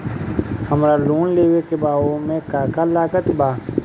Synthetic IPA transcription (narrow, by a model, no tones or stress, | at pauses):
həmɾaluːnleːwekebaːõmẽkaːkalaːkət̪baː